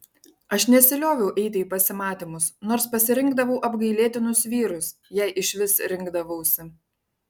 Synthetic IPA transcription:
ɐʃnʲɛsʲɪlʲoːʋʲɛʊʔɛɪt̪ʲɪiːpɐsʲɪmɑːt̪ʲɪmʊsnoːɾspɐsʲɪɾʲɪŋɡd̪ɐʋɐʊʔɐbɡɐɪlʲeːt̪ʲɪnʊsʋʲiːɾʊs | jæɪʔɪʃʲʋʲɪsɾʲɪŋɡd̪ɐʋɐʊsʲɪ

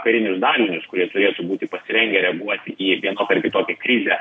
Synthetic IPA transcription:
kʲɐɾʲɪnʲʊsd̪ɑːlʲɪnʲʊskʊɾʲiɛt̪ʊɾʲeːt̪ubuːt̪ʲɪpɐsʲɪɾʲɛŋʲɡʲɛɾʲɛɐɡuɔt̪ʲɪʔiːʋʲiɛnoːp̪ʲɐɾʲkʲɪt̪oːkʲɛkɾʲɪzʲɛ

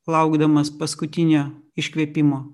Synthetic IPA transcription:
lˠɐʊɡd̪ɐmɐspɐskʊt̪ʲɪnʲoːɪʃʲkʋʲiɛpʲɪmoː

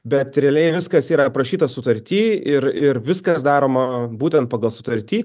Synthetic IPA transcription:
bʲɛt̪ɾʲɛːlʲɛɪʋʲɪskɐsiːɾɐpɾɐʃʲiːt̪ɐsʊt̪ɐɾʲt̪ʲiːɪɾɪɾʋʲɪskɐsd̪ɑːɾoːmɐbuːt̪ʲɛnt̪̚pɑːɡɐlˠsʊt̪ɐɾʲt̪ʲiː

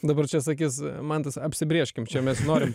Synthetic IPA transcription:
d̪ɐbɐrt͡ʃʲɛsɐkʲiːsmɐnt̪ɐsɐpʲsʲɪbʲɾʲiɛʃʲkʲɪmt͡ʃʲɛmʲɛsnoːɾʲɪm

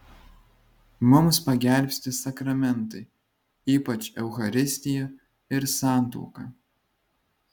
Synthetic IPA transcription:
mʊmspɐɡʲɛˑlʲˑpʲsʲt̪ʲɪsɐkɾɐmʲɛnˑt̪ɐɪ | iːpɐt͡ʃʲɛʊxɐɾʲɪsʲt̪ʲɪjɛ | ɪɾsɑˑnˑt̪ṵːkɑː

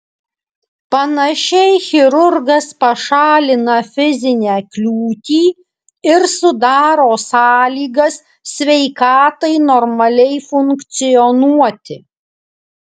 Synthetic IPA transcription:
pɐnɐʃʲɛɪxʲɪɾʊɾɡɐspɐʃɑːlʲɪnɐfʲɪzʲɪnʲæːklʲuːt̪ʲiː | ɪɾsʊd̪ɑːɾoːsɑːlʲiːɡɐs | sʲʋʲɛɪkɑːt̪ɐɪnɔɾmɐlʲɛɪfʊŋkkt̪sʲɪjɔnuɔt̪ʲɪ

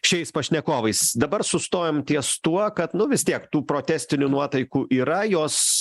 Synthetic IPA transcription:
ʃʲɛɪspɐʃʲnʲɛkoːʋɐɪsd̪ɐbɐɾsʊst̪oːjoːmt̪ʲiɛst̪uɔkɐt̪nʊʋʲɪst̪ʲiɛkt̪uːpɾoːt̪ʲæːsʲt̪ʲɪnʲunuɔt̪ɐɪkuːʔiːɾɐjoːs

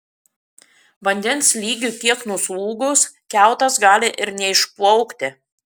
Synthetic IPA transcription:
ʋɐnʲd̪ʲɛnslʲiːɡʲut̪ʲiɛknuslˠuːɡʊskʲæˑʊt̪ɐsɡɑːlʲɪʔɪɾnʲɛɪʃplˠɔʊkt̪ʲɪ

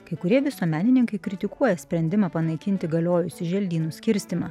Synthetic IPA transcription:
kɐɪkʊɾʲiɛʋʲɪsuɔmʲæːnʲɪnʲɪŋkɐɪkɾʲɪt̪ʲɪkuɔjɛsʲpʲɾʲɛnʲd̪ʲɪmɑpɐnɐɪkʲɪnʲt̪ʲɪɡɐlʲoːjʊsʲɪʒʲɛlʲd̪ʲiːnuːsʲkʲɪɾʲsʲt̪ʲɪmɐ

